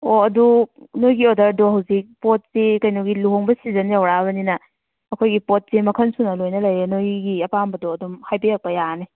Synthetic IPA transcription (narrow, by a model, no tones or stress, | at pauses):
oɐdunojɡiodɐɾdɔɦɐwzik̚pot̚sikɐjnoɡiluɦoŋbɐsizɐnjawɾaβɐninɐ | ɐkʰojɡipot̚semɐkʰɐnsunɐlojnɐlɐjenojɡiɐpambɐdɔɐdumhajbejak̚pɐjani